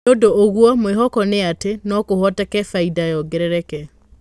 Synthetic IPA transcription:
odoːɣwɔmweɦɔkɔneatenɔkohɔtɛkɛfaidajɔɡɛɾɛɾɛkɛ

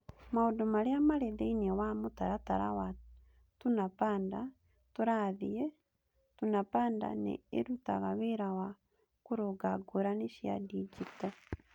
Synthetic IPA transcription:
maodomaɾjamaɾeðeiniɛwamotaɾataɾa̰wa | tunapaːnda | toɾaðijɛ | tunapaːnda̰nḛeɾutaɣaβeɾawa | koɾoɡaɡoɾaneʃia̰did͡ʒiptɔ

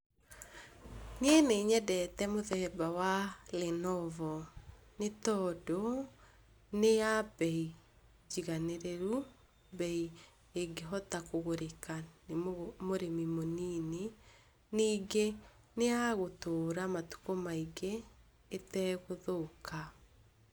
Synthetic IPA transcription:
nieneiɲɛdɛtɛmoðɛbawalenɔvɔ | netɔdo | nejabɛi | d͡ʒiɣaneɾeɾu | bɛi | eɡeɦɔtakoɣoɾekanmoɾemimonine | niːɡe | neaɣotoːɾamatu̥komaiɡeː | tɛɣoðokʰa

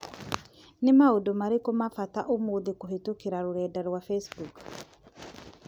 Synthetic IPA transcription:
nimaudomaɾikomafat̪aʔumuðikuɦit̪ukiɾaɾuɾɛːdaɾwafesbuk

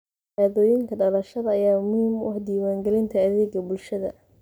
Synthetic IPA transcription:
aːðɔːjɪŋkʰɐɖɐlɐʃɐðɐːjaːmʊhimwʊ̰hd̪iːwaːŋɡɛlɪnt̪ʰɐːðɛːɡɐbʊlʃɐðɐ̰

